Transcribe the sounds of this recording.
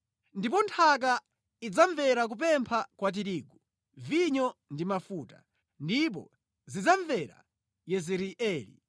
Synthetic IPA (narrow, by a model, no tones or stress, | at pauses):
ndip̬ɔntʰak̬a | id͡zaɱvɛɾak̬up̬ɛmpʰakwat̬iɾiːɡu | viɲɔndimafuːta | ndip̬ɔ̰ | zid͡zaɱvɛɾa̰ | jɛzɛɾiʔɛːlḭ